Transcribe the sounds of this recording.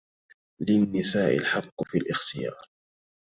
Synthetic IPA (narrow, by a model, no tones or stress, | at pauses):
lɪnːɪsaːʔɪ̰lħɑqːfiːlʔɪxt̪ɪjɑ̰ːɾˤ